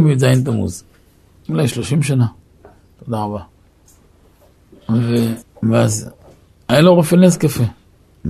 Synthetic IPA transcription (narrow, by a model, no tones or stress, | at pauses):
mid͡zajint̬amṵz | ilaʃloʃimʃ̬ana | tadaŋba | vebas̬ | ajiloɣofenes̬kefe